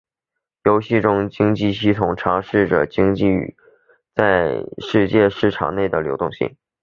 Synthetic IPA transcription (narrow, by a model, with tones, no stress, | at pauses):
jo˧˥ʊɕi˥˩ʈ͡ʂʊ˥ŋt͡ɕi˥ŋt͡ɕi˥˧ɕi˥˩t̪ʰʊ˨˩ŋʈ͡ʂʰɑ˧˥ŋʂɻ̩˥˩ʈ͡ʂə̰˩t͡ɕi˥ŋt͡ɕḭ˥˩ | t͡sa˥˧ɪʂɻ̩˥˧t͡ɕjɛ˥˧ʂɻ̩˥˩ʈ͡ʂʰɑ̰˨˩ŋne˥˩ɪd̪ə˩ljo˧˥ʊt̪ʊ˥˧ŋɕḭ˥˩ŋ